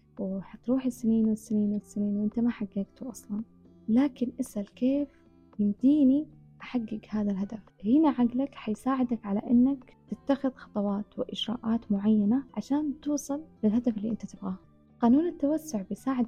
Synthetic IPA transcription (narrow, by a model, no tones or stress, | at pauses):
wɪħat̪ɾuːħɪsɪniːnwɪsːɪniːnwɪsːɪniːnwʔɪnt̪amaħaɡːaɡt̪uʔɑsˤlɑn | laːkɪnʔɪsʔalkeːf | jɪmd̪iːni | ʔaħaɡːɪɡhaːðalɦad̪afhɪnaʕaɡlakħajsaːʕɪd̪akʕala̰ʔɪnːak | t̪ɪt̪ːaxɪðxɑt̪ˤɑwɑːt̪wɪʔɪʒɾa̰ːʔaːt̪mʊʕajːanaʕaʃaːnt̪uːsˤɑllɪlhad̪afɪlːḭːʔɪnt̪at̪ɪbɣa | qɑːnuːnɪt̪ːawasːʊʕbɪjsaːʕɪd̪